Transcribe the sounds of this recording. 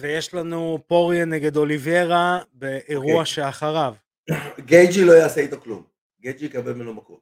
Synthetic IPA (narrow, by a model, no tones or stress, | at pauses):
vejeʃlanupo̞ʁjeneɡe̞d̪o̞livije̞ʁabeʔːʁuaʃeaχaʁav | ɡejd͡ʒilo̞jaːseit̪aklum | ɡejd͡ʒiikabelmenomakot